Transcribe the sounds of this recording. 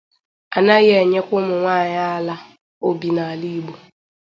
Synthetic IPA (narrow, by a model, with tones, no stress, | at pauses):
a˨na˦ɣe˨ɲe˦kʷʊ˦mʊ˨ŋʷaː˦˨ɲa˦a˦la˦ | o˦bi˨na˨a˨li˦ɡ͡bo˨